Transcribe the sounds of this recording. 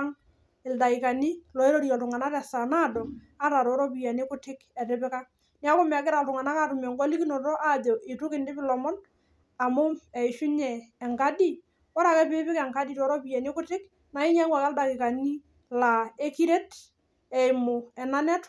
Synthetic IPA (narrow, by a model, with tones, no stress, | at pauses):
ŋ | ɪ˨lda˨kɪ˨ka˨ni˦lɔ˨e˦ɾo˦ɾi˨ɔ˨ltʊ˨ŋa˨na˦ɾɛ˨sa˨na˦dɔ˨ | a˦ɾa˨ɾɔ˨˦ɾɔ˦pi˨ja˨ni˦kʊ˦tɪ˦kɛ˨rɪ˦pɪ˦ka˦ | nɪ˦a˦kʊ˦m˨a˨k̬ɪ˦ɾa˨ltʊ˨ŋa˨na˦ka˦tʊ˨mjɔ˨ŋɡɔ˦li˦ki˦nɔ˨tɔ˦ʔa˦dɔ˨ʔɪ˨tʊ˦kɪ˨ndɪ˦pɪ˦lɔ˨mɔ˦n | a˨mʊ˦mɛ˨i˨ʃʊ˦ɲɛː˨ŋka˦di˦ | wa˦ɾa˨kɛ˦pɪ˦pɪ˦kɛ˨ŋka˦di˦˨tɔ˨˦ɾɔ˦pi˨ja˨ni˦kʊ˦tɪ˦k | na˨i˦ɲa˦ŋwa˨kɛ˦lda˨kɪ˨ka˨ni˦ | la˨e˦ki˦ɾe˦t | ɛ˨ɪ˨mʊ˨ɛ˨na˦nɛ˦t